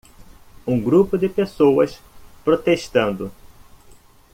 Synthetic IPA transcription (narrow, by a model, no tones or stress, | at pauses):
ũɡɾupʊd̪ɪpesowɐs | pɾot̪eʃt̪ɐ̃nd̪ʊ